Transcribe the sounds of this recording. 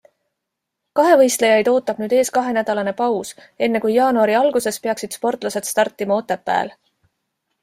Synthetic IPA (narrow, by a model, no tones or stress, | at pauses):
kɑɦe̞vɤjst̪le̞jɑjd̪o̞ːt̪ːˑɑb̥nyːd̪̥e̞ːskɑɦe̞næd̪̥ɑlɑne̞pɑws | e̞nːe̞kujːɑːnuɑɾiɑlɡuse̞spe̞ɑksid̪̥spo̞rt̪ˑlɑse̞d̪̥st̪ɑrt̪ːˑimɑo̞t̪ːepːæ̰ːl